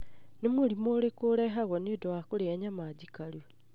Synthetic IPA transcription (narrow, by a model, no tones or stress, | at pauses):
nimulimulekuleɦaɣwonidowakuleeɲamad͡ʒikalu